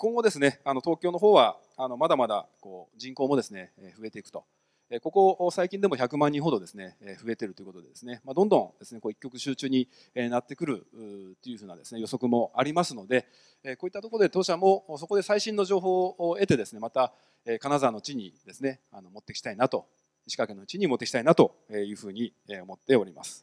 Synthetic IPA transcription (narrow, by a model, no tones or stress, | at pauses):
ko̞ŋɡod̪e̞sɨne̞ano̞t̪o̞ːkʲo̞ːno̞ɦo̞ːβa | ano̞mad̪amad̪a̰ko̞ːd͡ʑĩŋko̞ːmo̞d̪e̞sɨneɸɯ̟e̞t̪e̞ikɯ̟̥t̪o̞̰ | eko̞koʔsaikʲĩd̪e̞mo̞çakɯ̟mãɲ̟ːĩɰ̃ɦo̞d̪o̞d̪e̞sɨne̞ɸɯ̟e̞t̪e̞ɾɯt̪o̞jiko̞t̪o̞d̪d̪esɨne̞mad̪õnd̪õ̞ŋd̪̥e̞sɨne̞ko̞ːikʲːo̞k̬ɯ̟ɕɨːt͡ɕɨːɲ̟i | enat̪ːe̞kɯ̟ɾɯ̟t̪o̞jɯ̟ɸɯːnad̪e̞sɨne̞jo̞so̞kɯ̟mo̞ʔaɾʲimasɨno̞d̪e̞ | eko̞ːit̪ːat̪o̞ko̞ɾod̪et̪oːɕamo̞sokod̪e̞saiɕĩnːo̞ʑo̞ːɦo̞ːoe̞t̪e̞d̪e̞sɨne̞mat̪a | eːkanazaːno̞t͡ɕiɲ̟id̪e̞sɨne̞ | ano̞mo̞t̪ːe̞kʲi̥t̪ainat̪o̞ | iɕi̥kake̞no̞t͡ɕiɲ̟imot̪ːe̞kʲit̪ainat̪o̞ | ejɯ̟ːɸɯ̟ːɲ̟ieo̞mo̞t̪ːe̞o̞ɾʲima̰sɨ̥